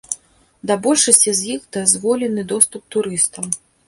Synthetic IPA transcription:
d̪abɔlʲʂɐsʲt͡sʲizjixd̪azʲvɔlʲɛnɨd̪ɔst̪up̚t̪uɾɨst̪ɐm

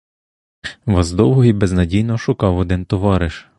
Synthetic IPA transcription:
ʋɑzd̪ɔwɦɔɦibeznɐdʲijnɔʃʊkɑwɔd̪ɪnt̪ɔʋɑɾɪʃ

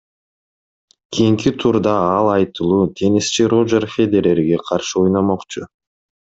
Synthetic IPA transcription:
kʲʰijiŋkit̪ʰuɾd̪ɑɑlˠɑjt̪ɯlˠuːt̪ʰe̞nist͡ʃiɾod͡ʒerfʲed̪ʲeɾʲe̞ɾɡe̞qʰɑɾʃɯojnomoqt͡ʃʊ

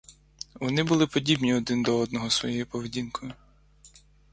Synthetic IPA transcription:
ʋɔnɪbʊlˠɪpɔdʲibnʲiɔd̪ɪnd̪ɔɔd̪̚nɔɦɔsʋɔ̰jɔjupɔʋedʲinkʰɔjʊ

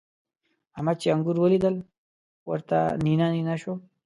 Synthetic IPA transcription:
amat͡ʃeaŋɡuɾwəlid̪əl | wə̰ɾt̪a̰ninaninaʃo

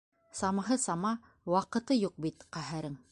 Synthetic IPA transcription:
sɑmɑɦɤsɑmɑ | wɑqɤ̆t̪ɤjuq̚bit̪qæɦæɾɘŋ

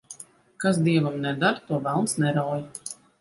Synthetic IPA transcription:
kas̬d̪iɛvamnɛd̪aɾt̪uɔvalˠnsnɛɾawj

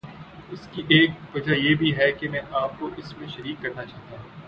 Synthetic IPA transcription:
ʊskiʔeːk̚ʋɐd͡ʒajebʱiɦɛkemɛ̃ːʔaːp̚koʔɪsmẽʃɐɾiːkːɐɾnat͡ʃaːɦt̪aɦũː

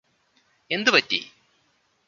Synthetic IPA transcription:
e̞nd̪ɨpɐtːḭ

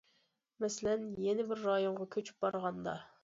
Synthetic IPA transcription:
mɛsɪlɛnjenɪbɪɾːɑjoɴʁɑkʲʰøt͡ʃʰy̥p̚bɑɾʁɑnd̪ɑ̰

